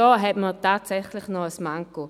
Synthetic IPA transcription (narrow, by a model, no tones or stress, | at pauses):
ɔɦɛtmətʰaːtsɛχlɪχnɔəsmaŋko